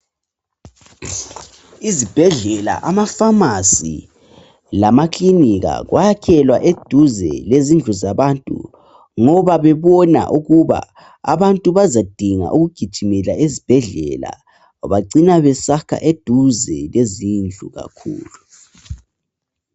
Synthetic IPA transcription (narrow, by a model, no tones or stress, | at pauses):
izib̥ʱɛɮɛla̰ʔamafamasḭ | lamakʰliniɣa̰ɣwajakʰɛlwa̰ʔed̥ʱuzɛ̰lezind͡ɮʱuzaβantʼṵ | ŋɔβaβɛβɔna̰ʔuɣuβa̰ | a̰βantʼuβazad̥ʱiŋa̰ʔuɣuɡ̥ʱid̥ʒ̥ʱimɛlaʔezib̥ʱɛɮɛ̰la̰ | βaǀinaβɛsakʰa̰ʔed̥ʱuzɛlezind͡ɮʱuɣa̰kʰṵːlu